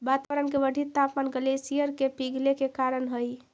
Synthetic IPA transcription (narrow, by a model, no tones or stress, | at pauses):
bat̪aʋəɾənkebəɖʱit̪ːapmanɡəlesijəɾkepiɡʱlekekaɾənɦəj